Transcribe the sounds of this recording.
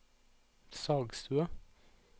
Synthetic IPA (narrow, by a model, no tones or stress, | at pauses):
sɑːɡst̪ʰʉə